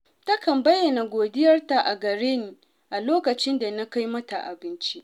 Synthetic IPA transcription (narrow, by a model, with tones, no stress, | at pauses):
tɐ˦kɐ˨mbɐ˦jːɐ˨na˨ɡʷoː˨dɪ˦jɐ˦rta˨ʔa˨ɡɐ˨ɾeː˦niː˨ | ʔa˨loː˦kɐ˨t͡ʃɪ˦nda˨na˦ka˦jmɐ˦ta˨ʔa̰˨bɪ˦nt͡ʃi˦ʔ